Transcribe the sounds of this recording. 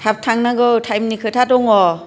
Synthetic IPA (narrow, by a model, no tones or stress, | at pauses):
hɛp̚tʰaŋnaɡɯwtʰajmnikʰɯtʰadɔŋɔ